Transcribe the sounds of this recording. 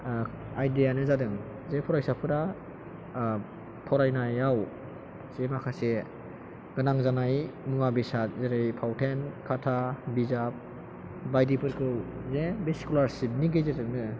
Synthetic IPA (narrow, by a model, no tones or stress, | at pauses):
ajdejanɯzadɯŋ | zepʰɔɾajsapʰɯɾa | tʰɔɾajnajaw | z̥emakʰase | ɡ̥ɯnaŋzanajmɯŋabisazeɾɯjpʰawtʰenkʰatʰabizap̚ | bajdipʰɯɾkʰɯwzebeskulaɾsip̚niɡezedɯŋnɯ